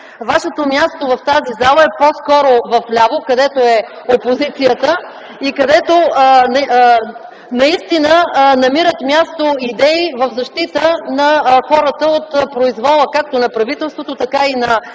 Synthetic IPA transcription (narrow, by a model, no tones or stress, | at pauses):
vaʃɛt̪omjast̪ovɐft̪azizalˠəɛposkɔɾovɐflʲavokɐd̪ɛt̪oɛ | opozit̪sijət̪ə | ikɐd̪ɛt̪on | nɐist̪inənɐmiɾət̪mʲjast̪oid̪ɛivəvzɐʃt̪it̪ənɐxɔɾət̪əot̪pɾoizvɔlˠəkak̚t̪onɐpɾɐvit̪ɛlˠst̪vot̪ot̪ɐkainɐ